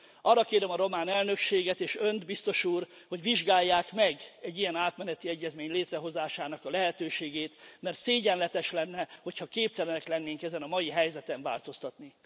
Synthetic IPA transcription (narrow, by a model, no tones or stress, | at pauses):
ɒrːɒkeːɾɛmɒɾo̞maːnɛlnø̞kʃeːɡɛt̪eːʃønd̪bist̪o̞ʃuːr | ho̞ɟʋiʒɡaːjːaːkmɛɡɛɟːijɛnaːt̪mɛnɛt̪iɛɟːɛzmeːɲleːt̪rɛɦo̞zaːʃaːnɒkɒlɛɦɛt̪øːʃeːɡeːt̪mɛrt̪seːɟɛnlɛt̪ɛʃlɛnːɛho̞chɒkeːp̚t̪ɛlɛnɛklɛnːeːŋkɛzɛnɒmɒjiɦɛjzɛt̪ɛɱva̰ːlt̪o̞st̪ɒt̪ni